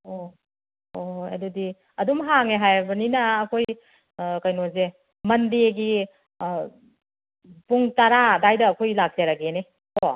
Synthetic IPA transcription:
o | oḛdudi | ɐdumɦaŋeɦajbɐninɐːkʰoj | kɐjnoze | mɐndeɡi | puŋtɐɾadajdɐːkʰojlak̚zeɾaɡene | o

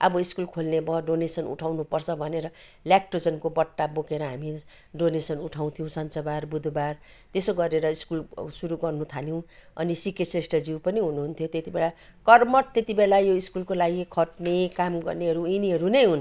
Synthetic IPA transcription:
ʔʌbʌiskulkʰolnebʌɖonesʌnṵʈʰawnupʌrt͡sʰʌbʱʌneɾʌ | ljak̚ʈrod͡zʌnkobʌʈːabokeɾʌɦami | ɖonesʌnuʈʰaw̃t̪ʰijõũsʌnt͡sʌbarbud̪ʱbar | t̪esoɡʌɾeɾʌiskulsuɾuɡʌrnut̪ʰaljew̃ʌ̰nisikesresʈʌd͡ziwpʌniɦunuɦunt̪ʰjot̪et̪ibelakʌrmʌʈt̪et̪ibelajoiskulkolaɡikʰʌʈnekamɡʌ̰rneɦʌɾuiniɦʌɾunʌjɦun

